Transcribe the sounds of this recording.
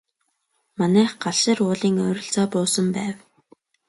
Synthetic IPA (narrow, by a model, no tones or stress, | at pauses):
manæːχɢaɮʃɪːrʊːɮiːŋʊɾʲɪ̆ɬt͡sɔːpʊːsə̆mpæːw